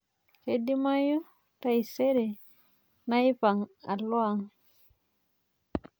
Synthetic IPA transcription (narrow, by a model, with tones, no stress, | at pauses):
kedi˦ma˦ju˦ | taiseɾe˨ | na˦jpa˨ŋa˨lɔ˦aŋ